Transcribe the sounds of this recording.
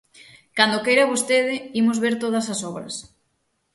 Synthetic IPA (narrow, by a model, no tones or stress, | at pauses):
kand̪okejɾɐβost̪eðɪimozβeɾt̪oð̞ɐsɐsɔβɾɐ̰s